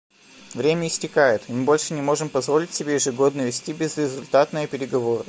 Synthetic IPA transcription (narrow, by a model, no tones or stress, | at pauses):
vɾʲemʲəɪsʲtʲɪkajɪt̪mɨbo̞lʲʂɨnʲɪmo̞ʐɨmpɐzvo̞lʲɪtʲsʲɪbʲejɪʐɨɡo̞d̪nəvʲɪsʲtʲibʲɪzɾʲɪzʊlʲt̪at̪nəjəpʲɪɾʲɪɡɐvo̞ɾə